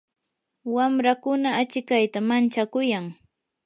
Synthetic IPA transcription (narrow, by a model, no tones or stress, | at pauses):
wamɾakʊnaːt͡ʃɪkajt̪amant͡ʃakʊjaŋ